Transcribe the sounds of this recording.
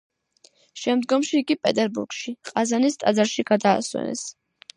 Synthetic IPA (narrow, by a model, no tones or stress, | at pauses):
ʃɛmd̪ɡɔmʃiːɡipʼɛt̪ʼɛɾbṵɾɡʃiqʼazanist̪ʼad̪zaɾʃiɡad̪a̰ːswɛ̰nɛ̰s